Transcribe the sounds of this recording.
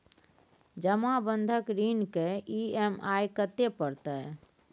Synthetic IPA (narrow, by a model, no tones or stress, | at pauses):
d͡ʒəmabənd̪ʱəkɾinkeiemajkət̪epəɾt̪ə